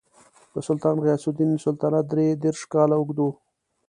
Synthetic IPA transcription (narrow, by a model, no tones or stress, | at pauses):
b̪əsʊlt̪ɑːnɣjɑsʊd̪inːəsʊlt̪ɑːnad̪ɾed̪eɾʂkɑlaʊɡd̪o